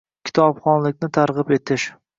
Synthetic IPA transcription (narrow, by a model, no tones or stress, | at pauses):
kʲʰɪ̥t̪ʰɒbχɒnlɪkʲnɪt̪ʰaɾʁɨpe̞t̪ʰɪʃ